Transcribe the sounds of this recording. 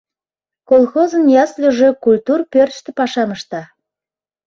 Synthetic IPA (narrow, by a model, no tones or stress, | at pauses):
kolˠxozənjɑslʲoʒøkulʲt̪urpørʃt̪ɘ̆pɑʃɑmə̆ʃt̪ɑ